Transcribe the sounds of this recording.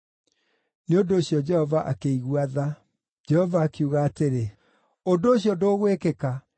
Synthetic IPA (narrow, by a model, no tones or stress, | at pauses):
neondoːɕjɔd͡ʒɛhɔvaʔakeiɣwaða | d͡ʒɛhɔvaːkuɣaːteɾe | ondoːɕjɔdoːɣwekeka